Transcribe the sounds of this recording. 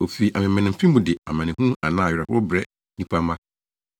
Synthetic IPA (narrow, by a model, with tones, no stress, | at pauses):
o˨fi˨ʔa˨mɪ̃˨mɛ̃˨nɪ̃˨m̩˨fĩ˦m˦bũ˨dɪ˨a̰˨mã˨nɪ̃˨hũ˦a˨nãː˦˨ɾɛ˨hʊ˦bɾɛ˦ | nĩ˦pʰa˦mã˦